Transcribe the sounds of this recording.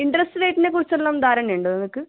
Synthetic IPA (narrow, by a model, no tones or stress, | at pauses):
iɳɖɐrɐsʈɨʋe̞ːʈːine̞kːurit͡ɕːɐɭːɐmd̪aːɾɐneɳɖɨnɐŋɐkːɨ